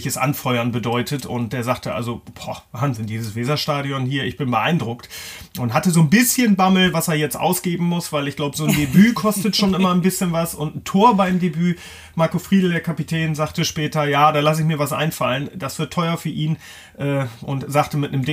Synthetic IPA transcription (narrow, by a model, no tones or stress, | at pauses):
çəsʔa̰nfɔʏɐnbədɔʏtʰətʊ̰nt̚d̥eːɐzaːχtʰəʔa̰lzob̥ɔːvaːnzɪndiːzəsv̥ɛːzɐʃtaːɾiɔnhiːɐɪçb̥ɪnbəʔa̰ɪndʁʊkt | ʔʊntɦatəzoːnbɪsçənbaml̩vaseːɐjɛt͡stʔa̰ʊsɡ̥eːbm̩mʊsv̥aɪlɪçɡ̥laʊbəzoːndebyːkʰɔstətʃoːnʔɪmɐnbɪsçənvasʊntn̩tʰoːɐbaɪmdebyː | maɐkofʁ̥iːdl̩deɐkʰapitʰɛːnzaːχtəʃpɛːtɐjaːdaːlasɪçmiːɐvasʔa̰ɪnfalənd̥asv̥ɪɐtʰːɔʏʁɐfyːɐʔiːn | ʔɛːʔʊntz̥aːχtəmɪtnəmd